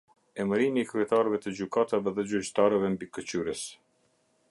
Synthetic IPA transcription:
ɛməɾimiːkɾyɛt̪aɾvɛt̪əd͡ʑykat̪avɛðɛd͡ʑyt͡ɕt̪aɾɛvɛmbikət͡ɕyɾəs

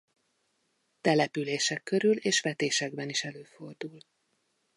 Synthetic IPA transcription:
t̪ɛlɛpyleːʃɛkːø̞ɾyleːʃʋɛt̪eːʃɛɡbɛniʃɛløːfo̞rd̪ul

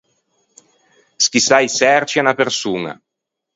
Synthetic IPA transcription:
skisajsɛrt͡ʃianapersuːna̰

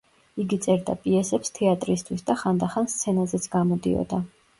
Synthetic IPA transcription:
iɡit̪sʼɛɾd̪a̰pʼiɛsɛpst̪ʰɛat̪ʼɾist̪ʰwisd̪aχand̪aχanst̪sʰɛnazɛt̪sʰɡamɔd̪ḭɔ̰d̪a

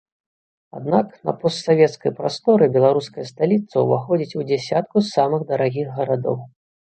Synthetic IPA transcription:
a̰d̪naknɐ̰pɔst̪savʲɛt̪skɐjpɾast̪ɔɾɨbʲɛlˠaɾuskɐjɐst̪alʲit̪sɐwvaxɔd͡zʲit͡sʲud͡zʲɛsʲat̪̚kusamɨɣd̪ɐɾaɣʲiɣːɐɾad̪ɔ̰w

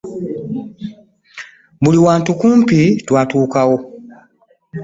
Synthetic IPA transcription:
buliwaːntukuːmpitwaːtuːkawo̞

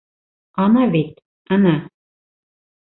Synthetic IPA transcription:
ɑnɑβet̪ | anɑ

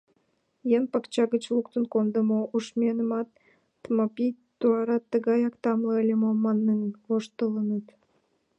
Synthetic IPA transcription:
jempɑkt͡ɕɑɣət͡ɕluk̚t̪ənkond̪əmoʔuʃmʲenə̆mɑt̪ː | mɑpʲijt̪uɑɾɑt̪ːəɣɑjɑkt̪ɑmləelʲemomɑnːəŋvoʃt̪ələnət̪

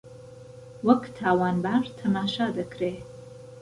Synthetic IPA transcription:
wɐkt̪ʰaːwaːnbaɾt̪ʰɐmaːʃad̪ɐkɾe

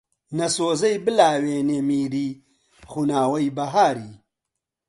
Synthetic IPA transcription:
nɐsoːzɐjbɨlaːweːneːmiːɾiː | xunaːwɐjbɐɦaːɾiː

